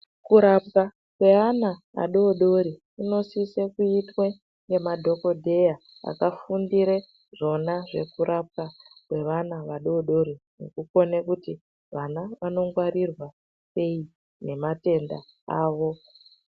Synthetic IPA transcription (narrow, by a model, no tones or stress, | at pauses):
kuɾap̚ka | kwe̞ana | a̰ɗo̞ɗo̞ɾi | ino̞sise̞kuitwe̞ | ŋɡe̞madʱo̞ko̞dʱe̞ja | a̰kafundiɾe | ʐo̞naʐe̞kuɾʔap̚kakwe̞ʋanaʋaɗo̞ɗo̞ɾinḛkuko̞nekuti | ʋanaʋano̞ŋɡwaɾirwa | se̞i | ne̞mate̞nda̰ | aːʋo̞